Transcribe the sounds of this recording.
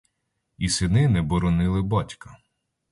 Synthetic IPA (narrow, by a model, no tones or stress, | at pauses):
isɪnɪnɛbɔɾɔnɪlˠɪbɑtʲkɐ̥